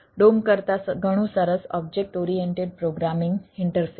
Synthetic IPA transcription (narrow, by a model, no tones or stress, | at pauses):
ɖomkəɾt̪asɡəɽ̃uːsaɾət͡sɔb̚d͡ʑek̚ʈoɾieɳʈeɖ̚pɾoɡɾamiŋɡiɳʈəɾsi